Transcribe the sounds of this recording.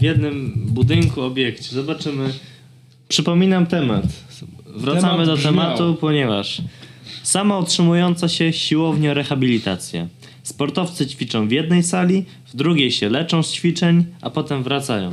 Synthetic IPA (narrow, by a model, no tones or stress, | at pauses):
vjɛd̪̚nɘmbud̪ɘŋkuɔbʲjɛkt͡ɕɛzɔbat͡ʂɘmɘ | pʂɘpɔmʲinamt̪ɛma̰t̪vɾat̪samɘd̪ɔt̪ɛmat̪upɔɲɛva̰ʂ | samautʂɘmujɔnt̪saɕɛɕiwɔvɲɛɾɛxabʲilʲit̪a̰t̪sʲjɛ̰ | spɔɾt̪ɔft̪sɘt͡ɕfʲit͡ʂɔ̃w̃vʲjɛd̪nɛjsalʲi | vd̪ɾuɡʲejɕɛlɛt͡ʂɔ̃w̃st͡ɕfʲit͡ʂɛɲʔa̰pɔt̪ɛmvɾat̪sa̰jɔ̰̃w̃